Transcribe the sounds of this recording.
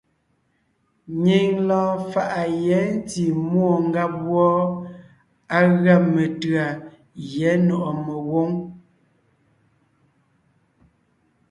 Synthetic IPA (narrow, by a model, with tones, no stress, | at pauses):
ɲi˨ŋlɔː˦fa˨ʔa˨jɛ˨˦n˦ti˨mwɔ˨ŋ˦ɡa˦p̚wɔ˦ | a˦ɣa˦˨mə˨tɰa˨ | jɛ˨˦nɔ˨ʔɔ˨mə˨wo˦ŋ